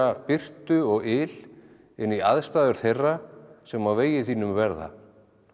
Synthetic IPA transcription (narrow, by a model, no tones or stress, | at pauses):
apɪr̥t̪ʏɔɣɪl | ɪnːiaðst̪aːðʏɾ̥θejrːasɛmawveːjɪθiːnʏmvɛɾða̰